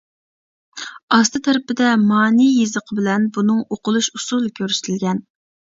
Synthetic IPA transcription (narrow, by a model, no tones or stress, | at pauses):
ɑst̪ɨt̪ʰɛɾɪpɪd̪ɛmɑːnijezəqʰəbɪlɛnbunɨŋoqʰʊlˠuʃusulˠkʲʰøɾsɪ̥t̪ʰɪlɡʲɛn